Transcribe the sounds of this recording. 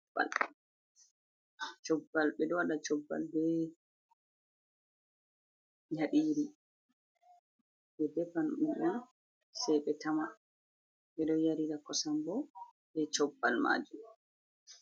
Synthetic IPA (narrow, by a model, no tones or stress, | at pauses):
ba̰l | t͡ʃɔbːalɓɛɗɔwaɗat͡ʃɔbːa̰lbɛ | jaɗiːɾi | bɛdɛfanʔua | sɛjɓɛtama | ɓɛɗɔjaɾiɾakɔsambɔbɛt͡ʃɔbːalma̰ːd͡ʒum